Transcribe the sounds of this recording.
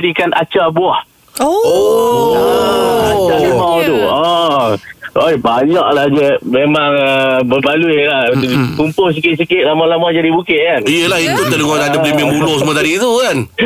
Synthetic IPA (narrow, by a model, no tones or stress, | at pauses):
dikanʔa̰t͡ʃabuah | oo | at͡ʃalimawt̪uɔ | ojbaɲaʔlahd͡ʒəmemaŋəbəbaluilakumpʊls̬ikɪt̪̚sikɪt̪̚lamalamad͡ʒadibukɪʔ̚kanijəlahik̪ut̪ːəduɡanadabəliməmbulɔsəmat̪adit̪ukan